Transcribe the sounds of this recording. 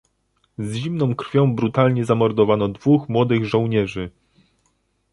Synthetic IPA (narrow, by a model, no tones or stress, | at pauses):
zʑimnɔ̃w̃kɾ̥fʲjɔ̃w̃bɾut̪alɲɛzamɔɾd̪ɔvanɔd̪vuxmwɔd̪ɘɣʐɔ̃w̃ɲɛʐɘ